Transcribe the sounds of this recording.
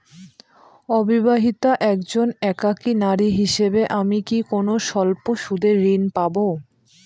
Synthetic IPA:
ɔbibaɦit̪aʔɛkd͡ʑonɛkakinaɾiɦiʃebeʔamikikonoʃɔlpoʃud̪ʱeɾːinpabo

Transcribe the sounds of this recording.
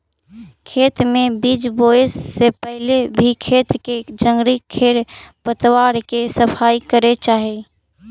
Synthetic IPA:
kʰeːt̪mẽbiːd͡ʒboːesːepəɦɪlebʱikʰeːt̪ked͡ʒə̃ŋɡɾikʰeːɾpət̪waːɾkesəpʰaːikəɾet͡ʃaːɦi

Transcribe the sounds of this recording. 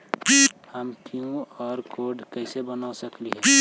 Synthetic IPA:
bihəmkʰiũɔːɾkoɖkəɪsebənawsəkliɦɛ̃i

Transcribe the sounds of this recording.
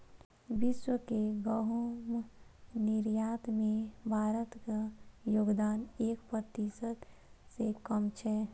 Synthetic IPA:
bɪʃwəkeɡəɦumnɪɾjaːt̪mẽbʱaːɾət̪kajoːɡd̪aːneːkpɾət̪isət̪sekəmt͡ʃʰɛ

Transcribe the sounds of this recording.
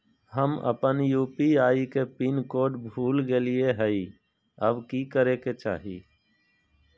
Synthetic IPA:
həmə̰pənjuːpiaːikepinkoːɖbʱuːlɡeːlieɦəi | əbkikəɾeket͡ʃa̰ːɦḭː

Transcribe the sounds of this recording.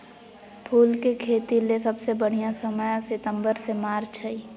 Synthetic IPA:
pʰuːlkekʰeːt̪ilesəbsebəɽ̤ijãsəməjasɪt̪ə̃mbəɾsemaːɾt͡ʃʰəi

